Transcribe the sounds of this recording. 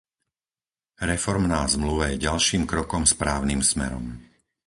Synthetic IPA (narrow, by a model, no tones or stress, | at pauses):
ɾɛfɔɾmnaːzmluʋajɛɟalʃiːmkɾɔkɔmspɾaːʊniːmsmɛ̰ɾɔ̰m